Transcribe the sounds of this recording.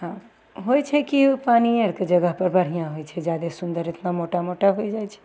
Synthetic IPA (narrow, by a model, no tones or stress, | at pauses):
ɦã | ɦojt͡ʃʰɛkipanieɾked͡ʒəɡəɦpəɾbəɽ̤ijãɦojt͡ʃʰɛd͡ʒad̪esund̪əɾet̪namoʈamoʈaɦojd͡ʒajt͡ʃʰɛ̥